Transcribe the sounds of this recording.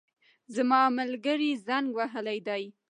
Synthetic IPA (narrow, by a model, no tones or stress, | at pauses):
zamɑmalɡəɾizaŋɡwaɦəlajd̪ɑj